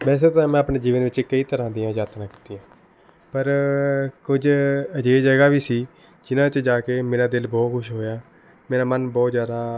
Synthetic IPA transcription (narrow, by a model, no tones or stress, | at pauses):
mɛ̃ːs̬eːt̪ãːmɛ̃ːəpɳeːd͡ʒiːʋənʋɪt͡ʃkəiːt̪əɾãːd̪ijãːd͡ʒaːt̪nãːki̥ːt̪iːjãː | pəɾ | kʊd͡ʒəd͡ʒeːd͡ʒəɡaːʋiːsiː | d͡ʒɪnãːt͡ʃd͡ʒaːkeːmeːɾaːd̪ɪlbɔːt̪kʰʊʃɦoːjaː | meːɾaːmənbɔːt̪zjaːd̪aː